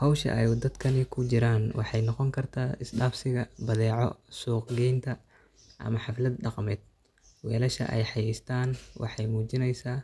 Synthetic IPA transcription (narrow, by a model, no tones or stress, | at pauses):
hɔwʃɐ̰ʔɛjd̪ɐd̪kʰɐnɪkʰʊt͡ʃɪɾaːnwɑ̰ħɑjnɔqɔŋkʰɐrt̪ʰaːɪsdaːfsɪɣɐbɐðɛːʕɔ̰suːqɡɛjnt̪ʰɐ | ʔɐ̰mɐħɑflɐd̪ɖɑqmɛːd̪̥̚ | wɛːlɐʃɐ̰ʔɛ̰jħɑjɛjst̪ʰaːnwʔɑ̰ħɑjmuːt͡ʃɪnɛjsaː